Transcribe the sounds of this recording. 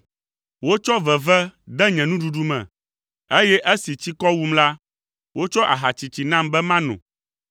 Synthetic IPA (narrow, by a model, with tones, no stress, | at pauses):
wo˦t͡ʃɔ˦vɛ˨vɛ˦d̪ɛ˦ɲɛ̃˨nũ˦ɖu˨ɖu˦mɛ̰̃˨ | e˦jɛ˦ʔe˦si˨t͡ɕi˦kɔ˦wu˦mla˦ | wo˦t͡ʃɔ˦ʔa˨ɦa˨t͡ɕi˨t͡ɕi˨nã˦mbɛ˦mã˦nɔ̰̃˨